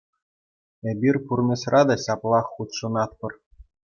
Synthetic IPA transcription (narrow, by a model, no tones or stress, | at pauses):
ĕbʲirʲpurmʲĕsrʔɑd̪ɑɕɑplˠɑχːut̪ʂɤ̆nɑt̪̚pɤ̆r